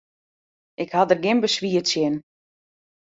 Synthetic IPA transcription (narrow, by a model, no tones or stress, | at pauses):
ʔɪkhatdərɡɪnbəsʋiətsjɪn